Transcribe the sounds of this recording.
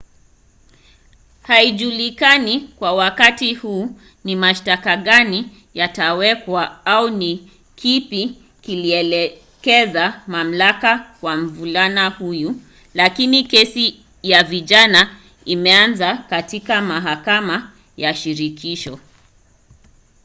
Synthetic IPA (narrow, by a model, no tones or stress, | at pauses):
haiʄulikanikwawakatihuː | nimaʃtakaɠani | jatawɛkwaauni | kʰipi | kiliɛlɛ | kɛzamam̩lakakwam̩vulanahuju | lakinikɛsi | javiʄana | imɛanzakatikamaɦakama | jaʃiɾikʰiʃɔ